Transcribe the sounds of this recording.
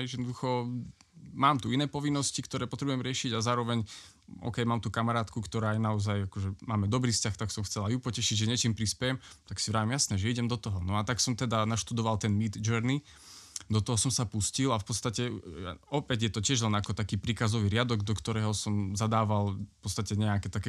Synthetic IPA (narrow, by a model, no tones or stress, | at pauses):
jɛd̪nɔd̪uxɔ | maːmt̪uinɛːpɔʋinːɔscikt̪ɔɾɛːpɔt̪ɾɛbujɛmɾɪɛʃiɟazaːɾɔʋɛɲ | ʔɔ̰ːkɛjmaːmt̪ukamaɾaːt̪kukt̪ɔɾaːajnaɔzajakɔʒɛmaːmɛd̪ɔbɾiːfscaxt̪aksɔmxt͡sɛlajupɔcɛʃiɟʒɛɲɪɛt͡ʃiːmpɾispɛjɛmt̪aksivɾaːʋimjasnɛːʒɛiɟɛmd̪ɔt̪ɔɦɔnɔat̪aksɔmt̪ɛd̪anaʃt̪ud̪ɔʋalt̪ɛnmiːd̪d͡ʒɛɾni | d̪ɔt̪ɔɦɔsɔmsapuscilafpɔt̪st̪acɛaɔpɛɟjɛt̪ɔcɪɛʒlɛnakɔt̪akiːpɾiːkazɔʋiːɾɪad̪ɔɡd̪ɔkt̪ɔɾɛːɦɔsɔmzad̪aːʋalpɔt̪t͡sst̪acɛɲɛakɛːt̪akɛ